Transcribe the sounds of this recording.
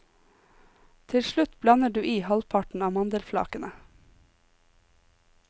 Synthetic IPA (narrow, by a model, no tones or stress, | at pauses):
t̪ʰɪlʃlʉt̪blɑnəɖʉːʔiːhɑlpʰɑʈn̩ɑːmɑnd̪əlflɑ̰ːkənə